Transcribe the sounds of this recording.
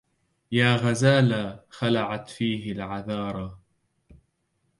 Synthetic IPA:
jaːɣazaːlaːxalaʕat̪fiːɦɪlʕaðɑːɾˤɑ

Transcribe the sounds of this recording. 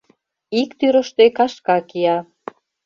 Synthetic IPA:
ikt̪yɾə̆ʃt̪ekɑʃkɑkiɑ

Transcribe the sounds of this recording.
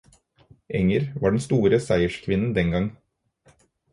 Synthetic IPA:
ʔɛŋəɾʋɑːɖɛnst̪uːɾəsæɪəʃkʰʋɪnn̩d̪ɛŋɡɑŋ

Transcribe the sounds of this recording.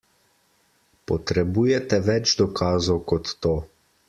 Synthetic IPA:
pɔt̪ɾɛbuːjɛt̪ɛʋɛd͡ʒd̪ɔkʰaːzɔwkɔt̪ːoː

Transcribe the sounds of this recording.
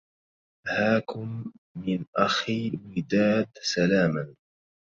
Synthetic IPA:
haːkʊmː | ɪnʔaxiːwɪd̪aːd̪salaːman

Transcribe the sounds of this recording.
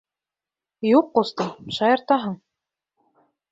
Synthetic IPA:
juqːost̪ɤmʃɑjɤ̆ɾt̪ɑɦɤɴ

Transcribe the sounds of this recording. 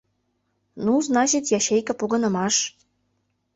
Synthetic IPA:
nuznɑt͡ɕit̪jɑɕejkɤ̆puɣɤ̆nə̆mɑʃ

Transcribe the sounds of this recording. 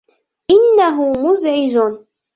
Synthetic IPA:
ʔɪnːaɦʊmʊzʕɪd͡ʒʊ

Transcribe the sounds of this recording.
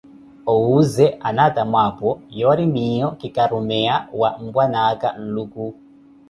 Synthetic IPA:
ɔuzɛʔanatamapɔjɔaɾimijɔkikaɾumɛawam̩bwanaka̰n̩luku

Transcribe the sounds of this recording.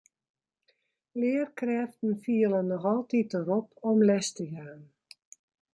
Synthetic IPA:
lɪərkrɛftn̩fiələnɔxɔlˠtit̚əɾɔpʰɔmlɛstəjaːn

